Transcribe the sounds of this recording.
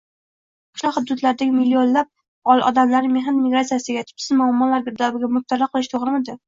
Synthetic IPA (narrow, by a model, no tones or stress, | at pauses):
kʰɪ̥ʃlɒhʊd̪ɾʊt̪laɾɪd̪aɡʲmilːionlab̚ | ɒlˠʔɒ̰d̪amlaɾɪmeɦanmiɡɾat̪sijasɪɡʲat̪ʰʊ̥psɪzmʊamːɒlaɾɡʲɪɾd̪abɪɡʲamʊt̪ʰːaɾaqʰɨlˠɪʃt̪ʰoʁɾɪmɪd̪ɪ